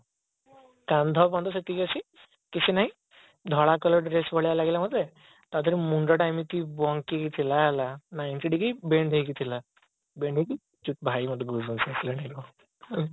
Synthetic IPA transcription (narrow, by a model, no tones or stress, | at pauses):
kãnd̪ʱɔpãnd̪ɔset̪iəsʰi | kisʰinaɦĩ | d̪ʱɔɭakɔlɔɖɾesbʱɔɭjalaɡelamɔd̪e | t̪ad̪əɾimuɳɖɔʈajmit̪ibɔŋɡkːikit̪ʰilaɦɛlanajnʈiɖikijbeɳɖʱejkit̪ʰila | beɳɖeki | t͡ʃuʈ̚bʱaiməd̪eɡuzunsesʰilenaiɾu